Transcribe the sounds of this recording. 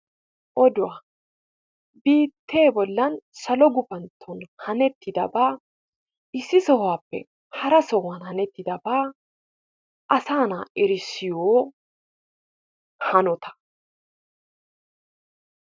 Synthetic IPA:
ʔɔd̪ʊwaː | biːt̪ʰːe̞ːbɔlːɐnsɐlɔɡʊpɐnt̪ʰːɔnhɐnɛt̪ːɪd̪ɐbaː | ʔɪsːɪsɔhʊaːpːɛ̰ | hɐɾɐsɔwɐnhɐnɛt̪ːɪd̪ɐbaː | ʔɐsaːna̰ːʔɛɾɪsɪjoː | hɐnɔt̪ʰɐ̥

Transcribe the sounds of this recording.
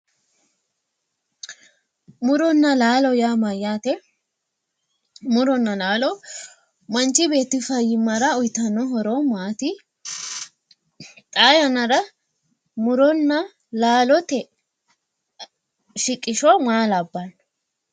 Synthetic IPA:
mʊɾɔnːɐlaːlɔjaːmɐjaːt̪ɛ | mʊɾɔnːɐlaːlɔ | mɐnt͡ʃːɪbe̞ːt̪ːɪfɐjːɪmːɐɾɐʊjt̪ːɐnːɔɦɔɾomaːt̪ɪ | t̪ʼaːjɐnɐɾɐ | mʊɾɔnːɐ | laːlɔt̪ɛ | ʃɪkʼːɪʃɔmaːlɐbːɐn

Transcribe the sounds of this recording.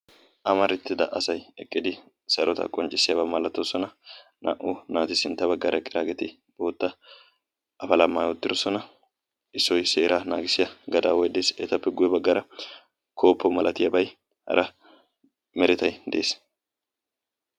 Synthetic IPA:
ʔɐmɐɾɪt̪ːɪd̪ɐʔɐsɐjɛkʼːɪd̪ɪ | sɐɾʔɔt̪ɐ̰kʼɔnt͡ʃʼːɪsːɪjɐbɐmɐlɐt̪ːosɔnɐ | nʔɐ̰ʔʊnaːt̪ɪsɪnt̪ːɐbɐɡːɐɾɐkʼːɪɾaːɡɛt̪ɪ | b̥o̞ːt̪ːɐ | ʔɐfɐlɐmːaːjwɔt̪ːɪɾosɔnɐ | ʔɪsːɔjse̞ːɾaːnaːɡɪsɪjɐɡɐd̪a̰ːwɔjd̪eːsɛ̰ːt̪ɐpːɛɡʊjɛbɐɡːɐɾɐ | kʰo̞ːpːɔmɐlʔɐt̪ɪjɐbɐj | hɐ̰ɾʔɐ | mɛɾɪt̪ɐjd̪ḛːs

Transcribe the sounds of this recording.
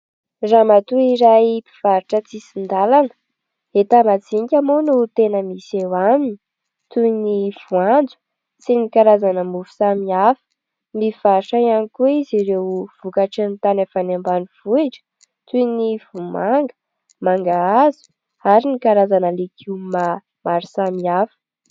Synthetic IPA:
ramat̪uiɾajpi̥v̥aɾiʈ͡ʂət͡sisind̪alanə̥ | et̪amad͡ziŋkʲamonut̪enəmisewanini̥ | t̪univ̥uand͡zu̥ | sinikaɾazanəmufu̥samiafə̥ | miv̥aɾiʈ͡ʂajanikuiziɾewv̥ukaʈ͡ʂint̪anefanambanuv̥uiʈ͡ʂə̥ | t̪univumaŋɡə̥ | maŋɡaazu̥ | aɾinikaɾazanəlekʰiwma | maɾisamiafə̥

